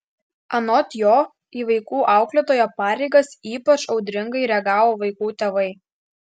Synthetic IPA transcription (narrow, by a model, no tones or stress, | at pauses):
ɐnɔt̪ʲjoː | iːʋɐɪkuːʔɑˑʊklʲɛt̪oːjopɑːɾʲɛɪɡɐsiːpɐt͡ʃɒʊd̪ʲɾʲɪŋɡɐɪɾʲɛɡɑːʋoːʋɐɪkuːt̪ʲeːʋɐɪ